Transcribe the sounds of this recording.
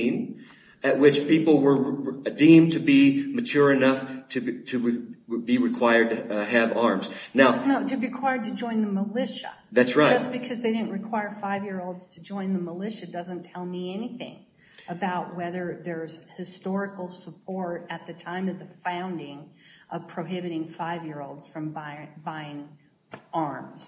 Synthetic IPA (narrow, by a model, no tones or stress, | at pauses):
n | ɨʔ̚wɨt͡ʃpipl̩ˠwə˞dĩmtʰɨbimɨt͡ʃʰʊɹɨnʌftʰɨtʰɨbiɹɨkʰw̥aɪə˞d̚tɨɨvɑɹmz̥naʊnoʊtɨɹikʰw̥aɪə˞d̚tɨd͡ʒɔ̃ɪ̃nðəməlɪʃə̰ðætsɹaɪd͡ʒʌstb̥ɨkʰʌzðeɪɾɪdⁿn̩ʔɹɨkʰw̥aɪə˞faɪvjɪɹoʊlˠdz̥tʰɨd͡ʒɔ̃ɪ̃nðəməlɪʃɨdʌzɨ̃ntʰɛlˠmiɛniθɪ̰̃ŋ | əbaʊʔ̚wɛðə˞ðə˞z̥hɨstɔɹɨkl̩ˠsəpʰɔɹɾɨt̪̚ðɨtʰãɪ̃mʌvðɨfãʊ̃ndɪ̃ŋʔʌv̥pʰɹ̥oʊɦɪbɨɾɪ̃ŋfaɪvjɪɹoʊlˠdz̥fɹʌ̃mbaɪbaɪɪ̃ŋ | ɑɹmz̥